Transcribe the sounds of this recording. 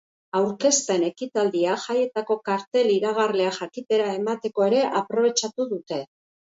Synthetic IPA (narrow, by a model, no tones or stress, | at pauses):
awɾke̞st̪e̞ne̞kit̪ald̪iaʝaje̞t̪ako̞kaɾt̪e̞liɾaɣ̞arle̞axakit̪e̞ɾae̞mat̪e̞ko̞e̞ɾe̞ʔapɾo̞β̞e̞t͡ʃat̪uðut̪e̞